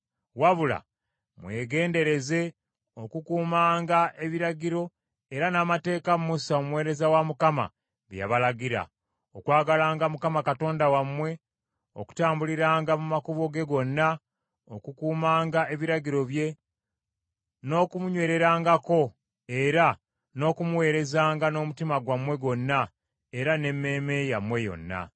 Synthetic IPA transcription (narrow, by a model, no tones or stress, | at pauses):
waβula̰ | mwe̞ːɡe̞ːnde̞ɾe̞ze̞ | o̞kukuːmaːŋɡaʔe̞βiɾaɟiɾo̞ | eɾanaːmate̞ːkammusaomuwe̞ːɾe̞zawamukama̰ | βja̰βalaɟiɾa̰ | o̰kwaːɡalaːŋɡamukamakato̞ːndawamwe̞ | o̰ku̥taːmbuliɾaːŋɡamumakuβoɡe̞ɡo̞nːa | o̞kukuːmaːŋɡaʔe̞βiɾaɟiɾo̞βje̞ | no̞ːkumuɲwe̞ːɾe̞ɾaːŋɡako̞ | eɾa | no̞ːkumuwe̞ːɾe̞zaːŋɡano̞ːmutimaɡwamwe̞ɡo̞nːa | e̞ɾane̞mːe̞ːme̞jamwe̞jo̞̰nːa̰